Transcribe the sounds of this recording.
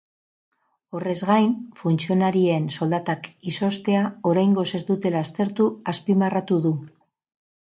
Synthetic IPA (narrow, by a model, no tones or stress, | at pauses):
o̞re̞zɣajnfunt͡sio̞naɾieːnso̞ld̪at̪akiso̞st̪e̞ao̞ɾajŋɡo̞se̞zd̪ut̪e̞last̪e̞ɾt̪uaspimarat̪uðu